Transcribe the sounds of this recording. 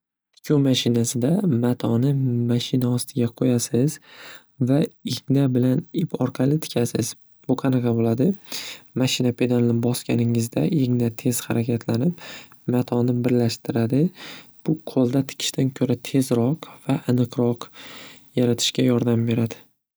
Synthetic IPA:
kʲʰomaʃɪnasɪd̪amat̪ʰɒnɪmaʃɪnaɒst̪ʰɪɡʲaqʰojasɪz̥ | vaɪɡʲnabɪlanɪpʰɒɾqʰɑlɪt̪ʰɪ̥kʲʰasɪz̥ | b̥ʊqʰɑnɑqʰɑbolad̪ɪmaʃɪnapʰe̞d̪alɪnɪbɒskʲanɪŋɪzd̪aʔeɡnat̪ʰe̞z̥haɾakʲʰat̪ʰlanɪp | mat̪ʰɒnɪbɪɾlaʃt̪ɪɾad̪ɪb̥ʊqʰolˠd̪at̪ʰɪ̥kʲʰɪ̥ʃt̪ʰankʲʰɵɾat̪ʰe̞zɾɒqv̥aʔːnɨqɾɒqjaɾat̪ʰɪ̥ʃkʲajɒɾd̪ambe̞ɾad̪ɪ

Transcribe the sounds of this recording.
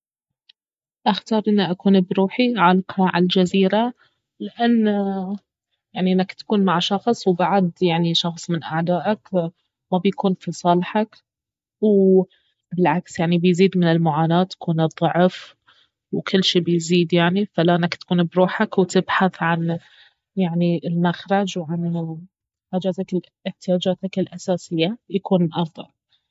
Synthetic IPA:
ʔaxt̪ɑːɾˤʔɪnːiʔakuːnbɾuːħiʕalqɑʕald͡ʒaziːɾa | lɪʔanː | jaʕniʔɪnːakt̪ḁkuːnmaʕʃɑxsˤwbaʕd̪jaʕniʃɑxsˤmɪnʔaʕd̪aːʔak | mabjakuːnfisˤɑːlħak | w | bɪlʕaksjaʕnibɪjziːd̪mɪnɪlmʊʕaːnaːt̪jḁkuːnɨðˤːʊʕf | wkɪlːʃiːbɪjziːd̪jaʕnifalaːnakt̪ḁkuːnbɾuːħakwt̪ɪbħaθʕan | jaʕniɪlmaxɾˤɑd͡ʒwʕan | ʔad͡ʒaːzak | ɪħt̪ɪjaːd͡ʒaːt̪akɪlʔasaːsɪjːajakuːnlʔɑɾˤd̪ˤɑ̰ʕ

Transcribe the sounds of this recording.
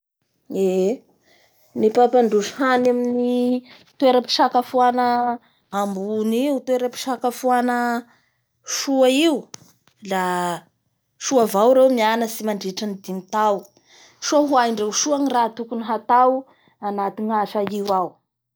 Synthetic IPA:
e | nipapaɳɖ͡ʐuʃhanamini | t̪weɾəpi̥ʃakafuanə | ambuniut̪ueɾəpi̥ʃakafuanə | ʃuaiu | la | ʃuavawɾewmianəsimaɳɖ͡ʐeʈ͡ʂanid̪init̪aw | ʃuanɦuaiɳɖ͡ʐewʃuaŋirat̪ukuniɦat̪aw | anat̪iŋaʃaiwaw

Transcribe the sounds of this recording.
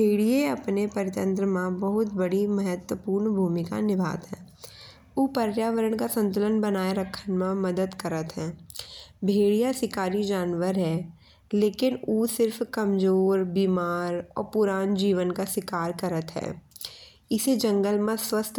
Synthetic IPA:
bʱeːɽieɐpnepɐɾɪt̪ə̃nt̪ɾəmãbɐɦʊt̪bɐɽimɐɦət̪wəpuːɾɳbʱuːmɪka̰nɪbʱa̰ːt̪ɦɛ̰̃ː | uːpɐɾjaːʋəɾəɳ̃kasə̃nt̪̬ʊlənbɐnaːeɾɐkʰːənmãmɐd̪əd̪kəɾət̪ɦɛ̰̃ː | bʱeːɽijasɪkaːɾid͡ʒaːnʋəɾɦɛː | leːkɪnuːsɪɾfkɐmd͡ʒoːɾbiːmaːɾɔ̰ːɾpʊɾaːnd͡ʒiːʋənkaswɪkaːɾkɐɾət̪ɦɛ̰ː | ɪsed͡ʒə̃ŋɡəlmãswəst̪ʰ

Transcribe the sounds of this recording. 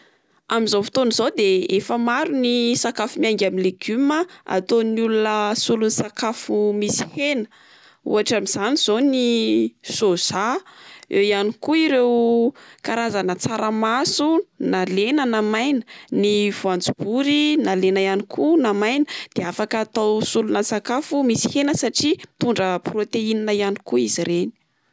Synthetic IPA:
amizofi̥t̪onizod̪eefəmaɾunisakafumiaŋɡʲamileɡyməa̰t̪onulunəsulunisakafumisi̥henə̥ | ṵaʈ͡ʂamiz̥aniz̥onisoz̥a | ewjanikuiɾewkaɾazanət͡saɾəmasunalenənamajnə̥nivuand͡zubuɾinalenajanikʰunamajnəd̪̥eafakaːt̪awsulunəsakafumisi̥henəsaʈ͡ʂit̪uɳɖ͡ʐəprot̪eininəjanikuiziɾeni̥

